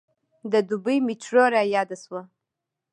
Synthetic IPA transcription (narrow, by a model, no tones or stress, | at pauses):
dadubɨjmit͡ʃʰroɾajadaswa